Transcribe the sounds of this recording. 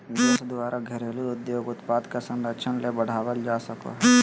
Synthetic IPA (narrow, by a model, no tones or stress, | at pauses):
d̪esd̪ʊʋaːɾʔaɡʱɐɾeːluʊd̪joːɡʊt̪paːd̪kɐsɐ̃ɳɖət͡ʃʰənlebɐɽ̤aːʋəld͡ʒaːsɐko̰ɦɛ